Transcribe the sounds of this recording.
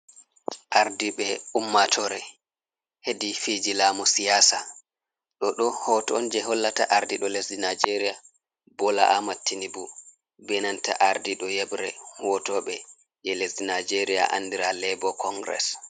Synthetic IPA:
ʔaɾdiɓɛumːatʰɔɾɛ | hedifed͡ʒilaːmɔsijaːsa | ɗɔɗɔhɔtɔnd͡ʒɛɦɔlːataʔaɾdiɗɔlesdinajd͡ʒeɾija | bɔla̰ʔamatʰːinibu | bɛnanta̰ʔaɾdiɗɔjɛbɾɛ̰hɔtɔɓɛ | jɛlesdinad͡ʒeɾija̰ʔa̰nːdiɾalɛbɔkʰɔŋɡɾɛ̰s

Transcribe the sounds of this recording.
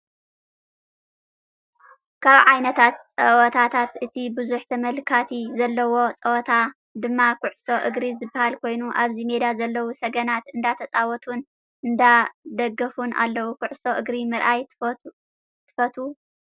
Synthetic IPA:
kʰaβʕajnɐt̪ʰat̪t͡sʼɐwɔt̪ʰat̪ʰat̪ʔɨt̪ʰibɨzuħt̪ʰɐmɐlkʰat̪ʰizɐlːɐwo̞t͡sʼɐwɔt̪ʰa | d̪ɨmːakʊʕso̞ʔɨɡɾizɨbːahalkʰo̞jnuʔaβzime̞d̪azɐlːɐwusɐɡɐnat̪ɨnd̪at̪ʰɐt͡sʼawɔt̪ʰun | ʔɨnd̪ad̪ɐɡɐfunʔa̰lːɐwukʰʊʕso̞ʔɨɡɾimɨɾʔaj | t̪ʰːɨ̥fɐt̪ʰu

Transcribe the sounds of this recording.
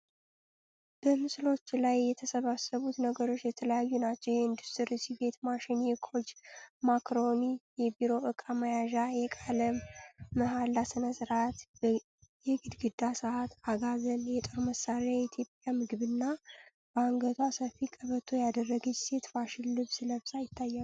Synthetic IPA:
b̥əmɨslo̞t͡ʃːlajːɛt̪ʰəsəβasəβut̪nəɡəɾo̞t͡ʃːjɛt̪ʰələjajːunat͡ʃːɛwjɛɨnd̪ust̪ʰɨɾɨsibe̞t̪maʃɪnjɛkʰo̞d͡ʒmakɾo̞nijɛbiɾo̞ʔɨkʼaməjaʒajɛkʼaləmːəɦalːasɨnəsɨɾat̪b | jɛɡɨd̪ɡɨd̪asɨat̪aɡazənjɛt̪ʼoɾməsaɾajɛt̪ʰjo̞pʼjamɨɡɨβɨnːa | b̥əaŋɡət̪ʰwasəfːikʼəβət̪ʰojad̪ərːəɡɨd͡ʒse̞t̪faʃɪllɨβsɨləβsʼajɪt̪ʰːajːalu

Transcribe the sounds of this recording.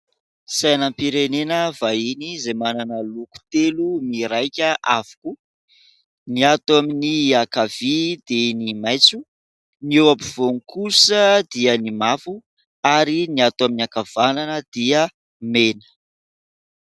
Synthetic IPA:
sajnampiɾenenəvainizemananəluku̥t̪elumiɾajkʲəʔavu̥ku | niat̪aminiakav̥id̪̥enimajt͡su | newapiv̥onikʰusəd̪iənimafu | aɾiniat̪waminiakav̥ananəd̪̥iə | menə̥

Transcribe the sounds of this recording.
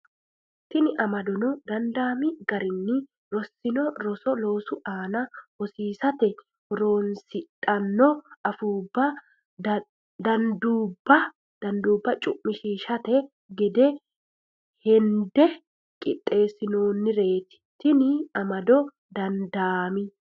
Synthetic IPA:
t̪ɪnɪʔɐmɐd̪ɔnɔd̪ɐnd̪aːmɪɡɐɾɪnːɪ | ɾɔsːɪnɔɾɔsɔlo̞ːsʊʔaːnɐhɔsiːsɐt̪ɛ | hɔɾo̞ːnsɪt̪ʼːɐnːɔɐfuːbːɐ | d̪ɐnd̪uːbːɐ | d̪̥ɐnd̪uːbːɐt͡ʃʼʊʔmːɪʃiːʃɐt̪ɛ | ɡɛd̪ɛ | hɛnd̪ɛ | kʼɪt̪ʼːe̞ːsɪno̞ːnːɪɾe̞ːt̪ɪ̥t̪ɪnɪɐmɐd̪ɔ | d̪ɐnd̪aːmɪ

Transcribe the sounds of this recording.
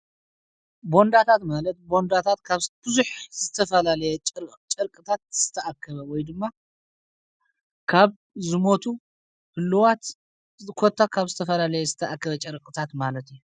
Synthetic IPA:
bo̞nd̪at̪ʰat̪malɐt̪̚bo̞nd̪at̪ʰat̪kʰaβb̥ɨzuħzɨt̪ʰɐfɐlalɐjɛt͡ʃʼɨɾkʼɨt̪ʰat̪̚z̥ɨt̪ʰːɐʔakʰːɐβɐwɔjd̪ɨmːa | kʰaβ | zɨmo̞t̪ʰu | hɨlːwat̪ | kʰot̪ʰːakʰaβzɨt̪ʰɐfɐlalɐjɛzɨt̪ʰɐʔakːɐβɐt͡ʃʼɨɾkʼɨt̪ʰat̪malɐt̪ijːu

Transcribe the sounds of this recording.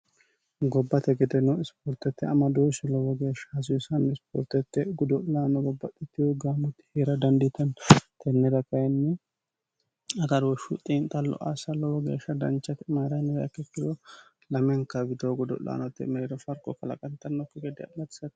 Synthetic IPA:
ɡɔbːɐt̪ɛɡɛd̪ɛnɔɪspɔɾt̪ɛt̪ːɛɐmɐd̪oːsɛlɔwɔɡeːʃːɐs̬ɪsɐnːɛɪspɔ̰ːɾt̪ɛt̪ːɛɡʊd̪ɔlaːnɔɡɔbːɐt̪ʼːɪt̪ːɪʊɡaːmʊt̪ːɪ̥heːɾɐd̪ɐnd̪ɪt̪ɐnt̪ʰɛnːɛd̪ɐkɐjɛnːɛ | ɐt̪ɐd̪ɔʃʊt̪ʼiːnt̪ʼɐlɔ̰ʔasɐlɔwɔɡeːʃːɐd̪ɐnt͡ʃːɐt̪maːɾɐjnɔjɐ̰kːɛkːɪd̪ɔ | lɐmɛŋkːɐbɪd̪oɡʊd̪ɔ̰lʔa̰ːnɔt̪ːɛ̰mɛɾd̪ɔfɐɾkʼɔkɐlɐ̰kʼɐnt̪ːɐnːɔkːɛɡɛd̪ɛɐ̰mɐt̪ɪ̥sɐt̪

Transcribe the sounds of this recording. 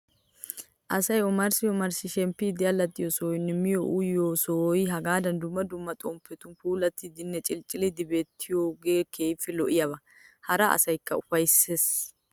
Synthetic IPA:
ʔɐsɐjɔmɐɾsɪjɔmɐɾsɪʃɛmpːɪd̪ɪjɐlɐt̪ːɪjosoːjnɛmɪjoʔʊjjoːsojɦɐɡaːd̪ɐnd̪ʊmːɐd̪ʊmːɐt̪ʼɔmpʰːɛt̪ʊnkuːlɐt̪ːɪd̪ɪnːɛt͡ʃʼɪlt͡ʃʼːɪlɪd̪ɪbeːt̪ʰːɪjoːɡeːkʰeːfːɪlɔʔɪjɐbɐ | hɐɾɐɐ̰sɐjkːɐʊfɐjsːeːs

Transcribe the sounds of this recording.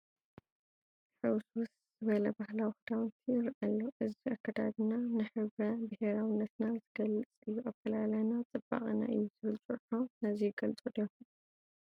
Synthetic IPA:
ħɨwswus | zɨβɐlɐbahlawixɨd̪awnt̪ʰijɪɾʔalːoʔɨziakːɐd̪a̰βinanɨħɨβɾɐbɨheɾawɨnːɐt̪nazɨɡɐlɨt͡sʼɨjːuʔakɐlalajnat͡sʼɨba̰χʼina̰ʔɨjːuzɨβɨlt͡sʼuħonɐziɡɐlt͡sʼod̪o

